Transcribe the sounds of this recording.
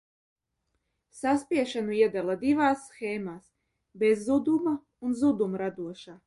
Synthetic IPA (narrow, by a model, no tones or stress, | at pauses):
saspʲiɛʃanuiɛd̪alˠad̪ivaːsːxɛːmaːs | bezːud̪uma | unzud̪umɾad̪uɔʃaː